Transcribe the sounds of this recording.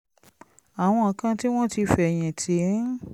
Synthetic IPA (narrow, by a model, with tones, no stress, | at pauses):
a˨w̃ɔ̃˧˨kã˧ti˦w̃ɔ̃˦ti˧fɛ˨j̃ɛ̃˨tʰi˨˦